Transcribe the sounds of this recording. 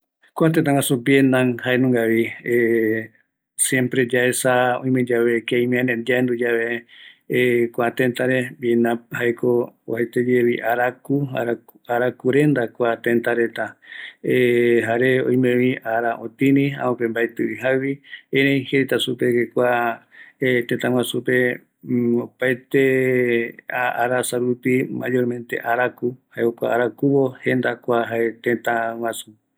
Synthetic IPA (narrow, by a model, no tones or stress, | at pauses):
kʷat̪̬et̪ãŋɡasubjenãŋhaenũŋɡaβie | sjẽmpɾed͡ʒaesaõĩj̃mẽd͡ʒaβekeĩmẽãnẽnd̪iaend̪ud͡ʒaβeekʷat̪ent̪aɾebjenãhaekoo̰het̪ed͡ʒeβiʔaɾakuaɾ | aɾakuɾend̪akʷat̪ẽnt̪aɾet̪aeɦaɾeo̰j̃mẽʋĩaɾaʔõt̪ĩnĩa̰õpembajt̪ɨiɦaβiẽɾẽj̃heɾt̪asupekekʷa | t̪ent̪ãw̃ãsupe̞ | opaet̪e | aaɾasaɾupima̰d͡ʒoɾmẽnt̪e̞̰ʔaɾakuhaeokʷaaɾakuβohe̞nd̪akʷaɦaet̪ent̪ãwãsu